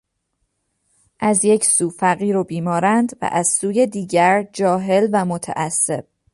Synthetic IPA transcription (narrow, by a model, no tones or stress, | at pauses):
ʔæzje̞cʰsuːfæɣiːɾobiːmɒːɾænd̪væ̰ʔæz̥suːje̞d̪iːɟæɾd͡ʒɒːɦe̞lvæmot̪ʰæ̰ʔæsːe̞̰b̥̚